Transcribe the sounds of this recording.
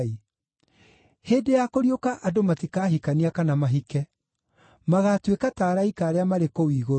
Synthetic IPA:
i | heːdejakoɾiokaʔadomatikaːɦikaniakanamaɦikɛ | maɣaːtwekataːɾaikaːɾeamaɾekowiːɣo

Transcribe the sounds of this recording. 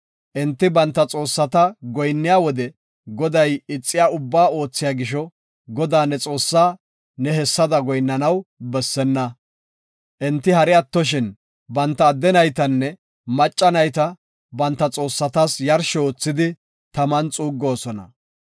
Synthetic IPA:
ʔɪnt̪ːɪbɐnt̪ːɐt͡sʼo̞ːsːɐt̪ɐɡɔjnːɪjaːwɔd̪ɛ | ɡɔd̪ɐjɪt͡sʼːɪjaːʊbːaːo̞ːt͡sːɪjaːɡɪʃ̬ɔ | ɡɔd̪aːnɛt͡sʼo̞ːsːaː | nɛɦɛsːɐd̪ɐɡɔjnːɐnɐwbɛsːɛnːɐ | ʔɪnt̪ːɪhɐɾɪɐt̪ːɔʃ̬ɪn | bɐnt̪ːɐːd̪ːɛnɐjt̪̬ɐnːɛ | mɐt͡ʃʼːɐnɐjt̪ɐ | bɐnt̪ːɐt͡sʼo̞ːsːɐt̪ɐsjɐɾʃɛoːt͡sːɪd̪ɪ | t̪ɐmɐnt͡sʼuːɡːo̞ːsɔnɐ̰

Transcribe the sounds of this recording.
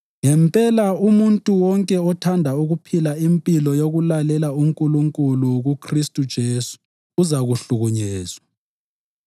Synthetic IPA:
ŋɛmpʼɛlaumuntʼuwɔŋkʼɛɔtʰandʱauɣupʰilaimpʼilɔjoɣulalɛlauŋkʼuluŋkʼuluɣukʰristʼud̥ʒ̥ʱeːsu̥ː | zaɣuɬuɣuɲɛːzwa

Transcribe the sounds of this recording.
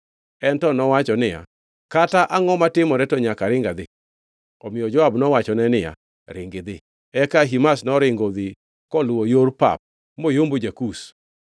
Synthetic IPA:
ɛntɔnɔwat͡ʃɔnɪja̰ | kataʔaŋɔmatɪmɔɾɛtɔɲakaɾɪŋɡad̪ɪ | ɔmɪjɔd͡ʒɔabnɔwat͡ʃɔnɛnɪja̰ | ɾɪŋɡɪd̪ɪ | ɛkaɦimasnɔɾɪŋɡod̪ɪ | kɔlwojoɾpa̰p̚ | mojombod͡ʒakus

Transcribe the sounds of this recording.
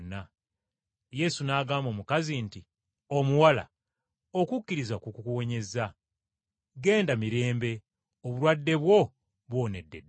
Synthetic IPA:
nːa | je̞sunaːɡaːmbo̞ːmukazinti | o̞muwala̰ | o̞kukːiɾizakukukuwo̞ɲe̞za | ɡe̞ːndamiɾe̞ːmbe̞ | oβulwadːe̞βwo̞ | βwo̞ːne̞dːe̞̰d

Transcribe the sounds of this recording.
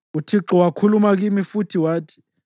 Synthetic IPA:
utʰiǁɔwakʰulumak̬imifutʰiwaːtʰi̥

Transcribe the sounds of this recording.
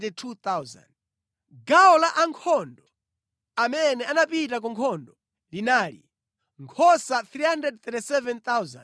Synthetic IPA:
tɛtʰut̪awza̰nd | ɡaɔlaʔaŋkʰɔndɔ | amɛnɛanapitak̬ɔŋkʰɔndɔ | linaːlḭ | ŋkʰɔsat̪ɾihandɾɛd̚t̪ɛtisɛvɛnt̪awza̰n

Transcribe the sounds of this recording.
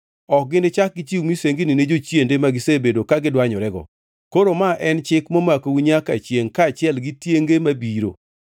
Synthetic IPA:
ɔk̚ɡɪnɪt͡ʃak̚ɡɪt͡ʃiwmiseŋɡinined͡ʒot͡ʃjendemaɡɪsebedokaɡɪdwaɲɔɾɛɡɔ̰ | koɾomaʔɛnt͡ʃɪkmomakowuɲaka̰t͡ʃjeŋkaːt͡ʃɪɛlɡɪtjeŋɡemabiɾo̰

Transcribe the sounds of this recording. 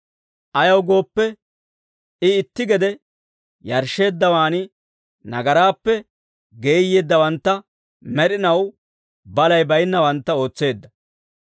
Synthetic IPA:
ʔɐjɐwɡo̞ːpːɛ | ɪɪt̪ːɪɡɛd̪ɛ | jɐɾʃe̞ːd̪ːɐwaːnɪ | nɐ̰ɡɐɾaːpːɛ | ɡeːjːeːd̪ːɐwɐnt̪ːɐ | mɛɾɪnɐw | bɐlɐjbɐjnːɐwɐnt̪ːɐo̞ːt͡sːe̞ːd̪ːɐ

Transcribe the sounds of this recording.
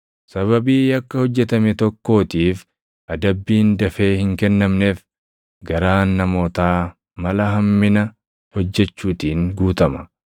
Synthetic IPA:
sɐβɐbiːjɐkːɐhɔd͡ʒːɛt̪ɐmɛt̪ɔkːo̞ːt̪iːf | ʔɐd̪ɐbːiːnd̪ɐfe̞ːhɪŋkɛnːɐmne̞ːf | ɡɐɾaːnːɐmo̞ːt̪aː | mɐlɐɦɐmːɪnɐ | hɔd͡ʒːɛt͡ʃːuːt̪iːŋɡuːt̪ɐmɐ

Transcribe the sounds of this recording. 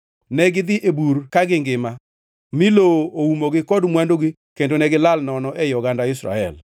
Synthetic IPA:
nɛɡɪd̪ɪʔebuɾkaɡɪŋɡɪma | mɪlooumoɡɪkɔdmwandoɡɪ | kendonɛɡɪlalnɔnɔʔɛjɔɡandaɪsɾa̰ɛ̰l

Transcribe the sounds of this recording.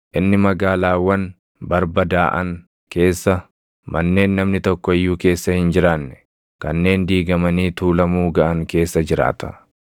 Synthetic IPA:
ʔɪnːɪmɐɡaːlaːwɐn | bɐɾbɐd̪aːʔɐ̰ŋ | ke̞ːsːɐ | mɐnːe̞ːnːɐmnɪt̪ɔkːɔɪjːuːke̞ːsːɐhɪnd͡ʒɪɾaːnːɛ̥ | kɐnːe̞ːnd̪iːɡɐmɐniːt̪uːlɐmuːɡɐʔɐŋke̞ːsːɐd͡ʒɪɾa̰ːt̪ɐ̥̰

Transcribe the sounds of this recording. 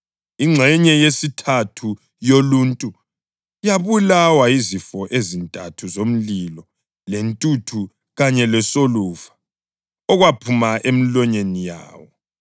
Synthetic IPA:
iŋ͡ǀʱɛɲɛjesitʰatʰu | joluntʼu | jaβulawaizifɔʔezintʼatʰuzom̩lilɔ | lentʼutʰu | ɣaɲɛlɛsoluva | ɔɣwapʰumaʔemilɔɲenija̰ːwɔ

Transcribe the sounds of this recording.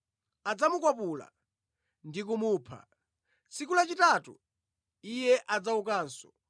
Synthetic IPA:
ad͡zamukwapula̰ | ndikumuːpʰa̰ | t͡sik̬ulat͡ʃitatṵ | ijɛʔad͡zaukaːnsɔ̥

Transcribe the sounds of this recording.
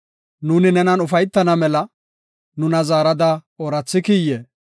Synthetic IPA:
nuːnɪnɛnɐnʊfɐjt̪ːɐnɐmɛlɐ | nʊnɐzaːɾɐd̪ɐoɾɐt͡sːɪkiːjːeː

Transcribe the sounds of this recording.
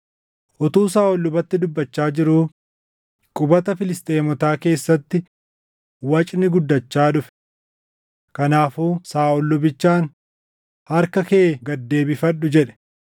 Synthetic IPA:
ʔɔt̪uːs̬aːʔɔlːʊbɐt̪ːɪd̪ʊbːɐt͡ʃːaːd͡ʒɪɾuː | kʼʊbɐt̪ɐfɪlɪst̪ʼe̞ːmɔt̪aːke̞ːsːɐt̪ːɪ | wɐt͡ʃʼnɪɡʊd̪ːɐt͡ʃːaːᶑʊfɛ̥ | kɐnaːfuːsaːɔlːʊbɪt͡ʃːaːn | hɐɾkɐkeːɡɐd̪ːe̞ːbɪfɐɗːʊd͡ʒɛᶑɛ̥

